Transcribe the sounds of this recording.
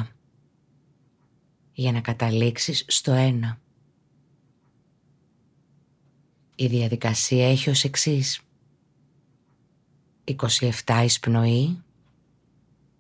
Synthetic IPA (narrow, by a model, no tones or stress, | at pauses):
ʝɐnɐkɐt̪ɐliksisːt̪o̞e̞nɐ | iðiɐðikɐsiɐe̞çio̞se̞ksis | iko̞sie̞ft̪ɐispno̞i